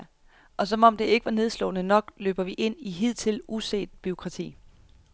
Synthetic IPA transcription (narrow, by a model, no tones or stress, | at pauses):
ʔɒ̽sɒ̽mɒ̽md̥e̝e̝ɡ̥əʋɑ̈ne̝ð̞ˠslɔ̰̽ːnənɒ̽ɡ̥lø̰ːb̥ɐʋiʔe̝n̰iɦið̞̰ˠt͡sʰe̝lʔuse̝̰ːd̥̚b̥yo̝kʰʁɑ̈t͡sʰḭː